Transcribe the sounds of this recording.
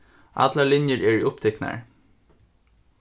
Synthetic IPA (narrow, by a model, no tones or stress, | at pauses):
ʔɑ̰t̪lɑlɪnjəɹɛːɹiʊpt̪ʰɛknɑ̰ɹ